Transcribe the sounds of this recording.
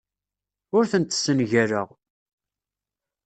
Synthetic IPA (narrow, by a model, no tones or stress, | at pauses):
ʊɾθənt̪ːsːənʝæɾəʁ